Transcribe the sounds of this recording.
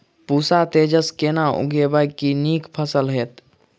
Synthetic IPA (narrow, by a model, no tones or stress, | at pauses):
puːsat̪eːd͡ʒəskeːnaʔʊ̰ɡebajkiniːkpʰəsəlɦeːt̪